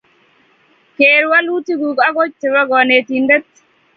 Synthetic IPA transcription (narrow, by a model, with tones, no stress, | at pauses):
keɾwa˦lu˦ti˦ɡu˨ka˦ɡo˦t͡ʃ̚tɛ˨wa˦ɡɔne˨t̪indɛ˦t